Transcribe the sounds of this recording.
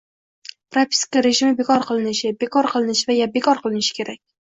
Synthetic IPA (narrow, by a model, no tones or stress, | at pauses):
pɾapʲʰi̥skaɾe̞ʒɪmɪbekʰɒɾqʰɨlˠɪnɪʃɪbekʰɒɾqʰɨlˠɪnɪʃvajab̚ekʰɒɾqʰɨlˠɪnɪʃɪ̥kʲʰe̞ɾakʲ